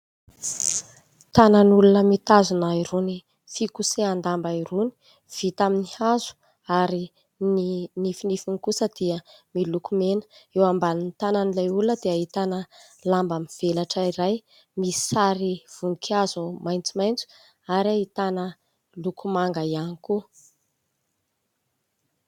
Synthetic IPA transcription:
t̪anənulunəmit̪azunaiɾuni | fikuseand̪ambaiɾuni̥ | v̥it̪aminihazu̥ | aɾi | ninifinifinikusəd̪̥iəmilukumenə̥ewambalinit̪ananilajuləd̪eaɦit̪anə | lambamiv̥elaʈ͡ʂaiɾaj | mi̥saɾiv̥uŋkʰazumajnt͡simajnt͡su̥ | aɾiait̪anə | lukumaŋɡaianiku

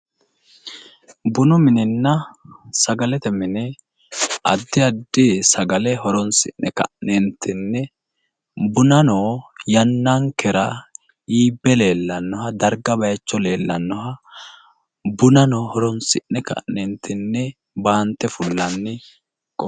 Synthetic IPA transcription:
bʊnʊmɪnɪnːɐsɐɡɐlɛt̪ɛmɪnɛ | ɐ̰d̪ːɪɐd̪ːɪsɐɡɐlɛɦɔɾɔnsɪ̰nnɛkɐ̰ʔnɛnt̪ʰɪnːɛ | bʊnɐnoːjɐnːɐŋkɛɾɐ | iːbːɛle̞ːlːɐnːɔhɐd̪ɐɾɡɐbɐjɐt͡ʃːɔle̞ːlːɐnːɔɦɐ | bʊnɐnɔːhɔɾɔnsɪnːɛkɐ̰ʔnɛnt̪ʰːɪnːɛ | baːnt̪ːɛfʊlːɐnːɪ | kʼɔ

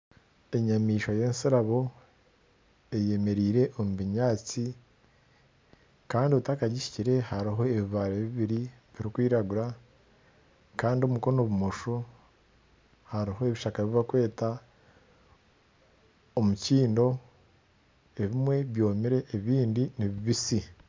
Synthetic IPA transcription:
e̞ɲamiːʃwaje̞ːnsiɾaβo̞ | e̞je̞me̞ɾiːɾe̞ʔomuβiɲaːt͡si | kaːndioutakaɟiʃi̥ciɾe̞haɾiɦo̞eβiβaːɾeβiβiɾiβiɾikwiːɾaɡuɾa | kaːndio̞muko̞no̞βumoʃo | haɾiɦo̞eβiʃakaβiβakwe̞ːta | omuciːndo̞ | e̞βimwe̞βjo̞ːmiɾe̞ʔːβiːndiniβiβisi

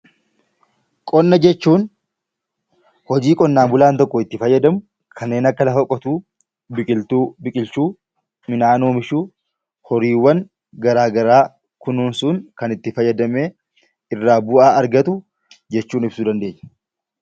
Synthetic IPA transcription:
kʼɔnːɐd͡ʒɛt͡ʃːuːn | hɔd͡ʒiːkʼɔnːaːmbʊlaːnt̪ɔkːɔɪt̪ːɪfɐjːɐd̪ɐmʊ | kʰɐnːe̞ːnɐkːɐlɐfɐkʼːɔt̪uː | bɪkʼɪlt̪uːbɪkʼɪlt͡ʃuː | mɪnaːnoːmɪʃuː | hɔɾiːwːɐŋ | ɡɐɾaːɡɐɾaː | kʊnuːnsʊːŋkɐnɪt̪ːɪfɐjːɐd̪ɐmeː | ɪrːaːbʊʔaːɐɾɡɐt̪ʊ | d͡ʒɛt͡ʃːuːnɪbsuːd̪ɐnd̪e̞ːɲːɐ̥

